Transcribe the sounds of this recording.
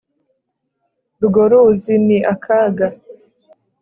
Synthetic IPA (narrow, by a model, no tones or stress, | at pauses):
duɡoɾuziniʔakʰaɡa